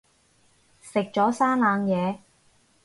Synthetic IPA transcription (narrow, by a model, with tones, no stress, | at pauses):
sɪ˨k̚t͡ʃɔː˨˥saː˥nlaː˨˧ŋjɛː˨˧